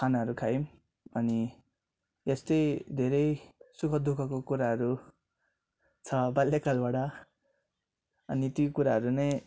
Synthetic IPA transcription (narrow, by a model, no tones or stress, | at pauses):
kʰanaɦʌɾukʰaim | ʌni | est̪ʌjd̪ʱeɾʌjsukʰʌd̪ʱukʰʌkokuɾaɦʌɾu | t͡sʰʌbalːekalbaɽʌ | ʌnit̪jokuɾaɦʌɾunʌj